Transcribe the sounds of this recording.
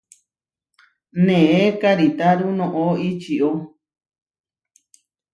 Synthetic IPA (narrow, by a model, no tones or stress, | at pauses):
nẽẽkaɾit̪aɾunõʔoit͡ʃio